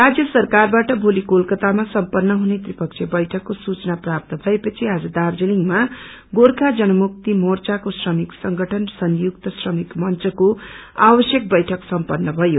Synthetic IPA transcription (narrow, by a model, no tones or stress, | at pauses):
rad͡zjʌsʌrkarbaʈʌbʱolikolkʌt̪amasʌmpʌnːʌɦunet̪ripʌkt͡sʰebʌjʈʰʌkːosut͡sʌnaprap̚t̪ʌbʱʌepʌt͡sʰiad͡zʌd̪ard͡zeliŋma | ɡorkʰad͡zʌnʌmuk̚t̪imort͡sakosrʌmiksʌŋɡʱʌʈʰʌnsʌnjukt̪ʌsrʌmikmʌnt͡sʌko | abʌsjʌk̚bʌjʈʰʌksʌmpʌnːʌbʱʌjo